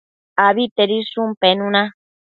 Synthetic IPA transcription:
aβit̪eɾisumpenũnã

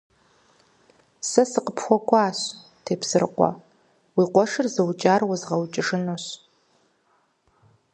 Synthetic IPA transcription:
sɐsɨqəpʰxʷɔkʷʰʼaːɕ | tʰeːpsɨr̰qʷɔ̰ | wiqʷɔʂɨrzɨwt͡ʃʼaːrwɐzʁɐwt͡ʃʼɪʂɨnoɕ

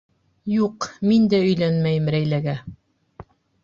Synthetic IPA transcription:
juqmind̪æɵ̆jlænmæjɘmɾæjlæɡæ

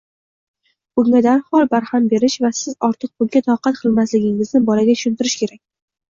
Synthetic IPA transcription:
ʊŋʲad̪aɾhɒlˠbaɾhambe̞ɾɪʃvasɪzɒɾt̪ʰɨq̚bʊŋɡʲat̪ʰɑqʰɑt̪qʰɨlˠmaslɪɡʲɪŋɪznɪbɒlaɡʲat̪ʰʊ̥ʃʊnt̪ɪɾɪʃkʲʰe̞ɾakʲ

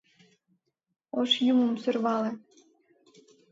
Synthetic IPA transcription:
oʃjumə̆msørβɑlĕ

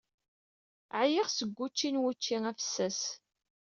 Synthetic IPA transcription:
ʕjɪʁsəɡʷːut͡ʃːinwut͡ʃːiŋæfə̥sːæs

